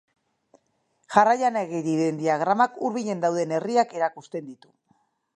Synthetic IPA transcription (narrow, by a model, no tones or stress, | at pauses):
ʝarajaneɣiðiðend̪iaɣ̞ɾamakuɾβiʎe̞nd̪awðe̞ne̞riake̞ɾakust̪e̞nd̪it̪u̥